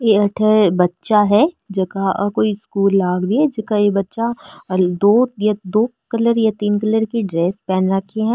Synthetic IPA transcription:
jeɐʈʰebɐtːʃaɦɛː | d͡ʒɐkakoːiskuːlːaːɡɾiɛd͡ʒɐkajebɐtːʃad̪oːjad̪oːkɐləɾjat̪iːnkɐləɾkiɖɾeːspɛːnɾɐkʰːeɦɛ̃ː

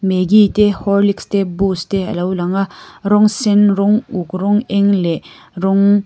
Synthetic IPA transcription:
meɡit̪ehɔɾlikst̪ebust̪eɐ̰lawlaŋaɾɔŋsenɾɔŋukɾɔŋeŋle | ɾɔŋ

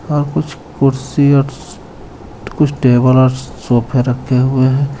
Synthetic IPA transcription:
ɦɐɾkʊt͡ʃʰ | kʊɾsiɔɾ | kʊt͡ʃʰʈeːbələsoːpʰeɾɐkʰːeɦʊeɦɛ̃ː

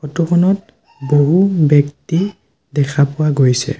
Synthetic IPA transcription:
xɔtukʰɔnɔt̚ | boɦubɛkti | dɛkʰapʊwaɡojsɛ̰

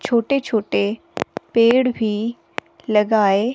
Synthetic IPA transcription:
t͡ʃʰoːʈet͡ʃʰoːʈe | peːɽbʱi | lɐɡaːe

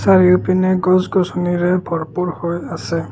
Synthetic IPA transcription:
saɹiʊpinɛɡɔzɡɔsuniɹɛbʱɔɹpuɹhojasɛ

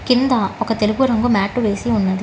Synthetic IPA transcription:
kɪnd̪aːɔkːɐt̪ɛlɯɣuɾɐŋɡɯmaːʈːuʋeːsiʊnːɐðɯ

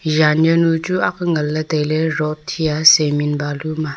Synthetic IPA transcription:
ʒanjənut͡ʃuakŋəlːəteleɾɔʔtʰiaseminbaluma

